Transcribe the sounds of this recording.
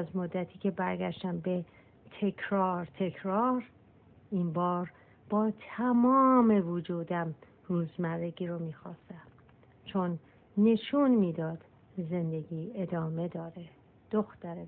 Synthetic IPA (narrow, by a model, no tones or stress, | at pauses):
zmod̪ːæt̪ʰiːcʰe̞bæɾɡæʃt̪æmbe̞ | t̪ʰe̞kʰɾɒːɾt̪ʰe̞kʰɾɒːɾ | inbɒːɾ | b̥ɒːt̪ʰæmɒːme̞vod͡ʒuːd̪æm | ruːzmæreɟiːɾomiːxɒːst̪æm | t͡ʃʰonː | e̞ʃunmiːd̪ɒːd̪̥ | ze̞nd̪e̞ɡiːe̞d̪ɒːme̞d̪ɒːɾe | d̪̥oxt̪æɾe